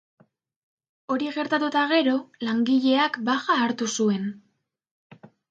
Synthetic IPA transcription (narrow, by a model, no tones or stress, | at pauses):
o̞ɾiɣe̞ɾt̪at̪ut̪aɣe̞ɾo̞laŋɡiʎe̞akbaxaːɾt̪usue̞n